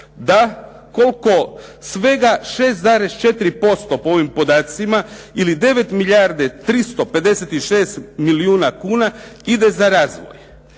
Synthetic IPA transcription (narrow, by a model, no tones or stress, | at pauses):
d̪a | ko̞lko̞sʋe̞ɡaʃe̞ːst̪zaːɾe̞st͡ʃe̞t̪iɾipo̞st̪o̞poo̞ʋimpo̞d̪aːt̪simailid̪e̞ʋe̞t̪miʎaɾd̪et̪ɾist̪ope̞d̪e̞set̪iʃe̞ːst̪miliuːnakuːnaid̪e̞zaɾaːzʋo̞̰j